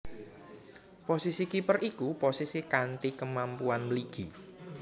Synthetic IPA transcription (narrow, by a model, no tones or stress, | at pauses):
posisikipərʔikuposisikanʈikəmampuanmliɡ̥i